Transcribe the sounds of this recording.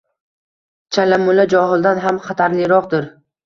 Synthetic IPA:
t͡ʃʰalamʊlad͡ʒɒɦɨlˠd̪anɦamχɑt̪ʰaɾlɪɾɒqd̪ɪɾ

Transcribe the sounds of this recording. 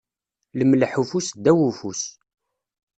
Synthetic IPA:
ləmlħufusd̪ːæwufus

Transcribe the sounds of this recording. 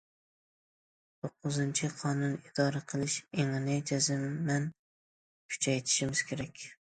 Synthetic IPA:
t̪ʰoqːʊzɨnt͡ʃʰɪqʰɑːnunid̪ɑːɾaqʰəlˠɪʃeŋnɪjd͡ʒɛzɪmːɛn | kʲʰy̥t͡ʃʰɛjt̪ʰɪ̥ʃimɪz̥kʲʰeɾɛkʲ

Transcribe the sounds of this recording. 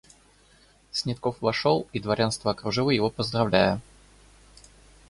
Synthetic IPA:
sʲnʲɪt̪kofvɐʂolˠid̪vɐɾʲʔanst̪vəɐkɾʊʐɨvˠəjɪvo̞pəzd̪rɐvlʲæjə

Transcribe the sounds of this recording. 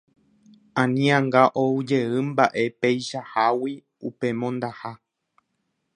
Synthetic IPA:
ãnĩãŋɡaʔoud͡ʒe̞ɨmbaʔe̞pejʃahawi | upe̞mõ̞nd̪aha

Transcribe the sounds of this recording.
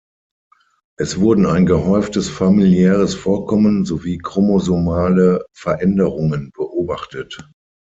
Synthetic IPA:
ʔɛsv̥ʊɐdn̩aɪnɡəɦɔʏftəsfamiljɛːʁ̞əsfoːɐkʰɔmənzoviːkʁ̥omozomaːləfɛɐʔɛndəʁʊŋənb̥əʔoːbaχtət

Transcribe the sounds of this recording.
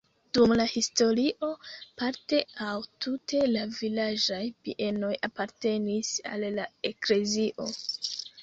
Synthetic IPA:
d̥umlahisto̞ɾiʔo̞paɾte̞awtʰute̞lavilad͡ʒajpiʔe̞no̞japaɾte̞nisa̰lːae̞kle̞ziʔo̞

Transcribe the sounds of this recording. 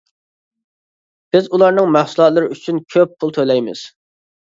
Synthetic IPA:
b̥ɪzulˠɑɾnɨŋmæhsulˠɑt̪lˠɨɾɪyt͡ʃʰynkʲʰøpʰːulˠt̪ʰølɛjmɪ̰z̥

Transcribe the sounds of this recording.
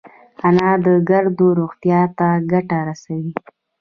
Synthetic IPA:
anɑd̪əɡaɾd̪oɾoɣt̪jɑt̪aɡaʈaɾasawi

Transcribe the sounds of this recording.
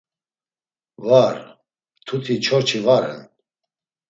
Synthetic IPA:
vaɾ | t̪ʰut̪ʰit͡ʃʰɔɾt͡ʃʰivaɾɛ̰n

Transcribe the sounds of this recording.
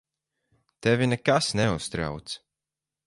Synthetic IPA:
t̪ɛvinɛkasnɛust̪ɾa̰wt̪s

